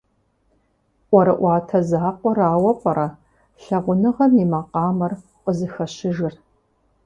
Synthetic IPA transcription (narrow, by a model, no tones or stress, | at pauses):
ʔʷɔɾɐ̰ʔʷɑːtʰɐzaːqʷɔraːwɐpʷʼɐɾɐ | ɬɐʁʷʊnɨʁɐmimɐqɑːmɐr | qəzɨxɐɕɪʒɨr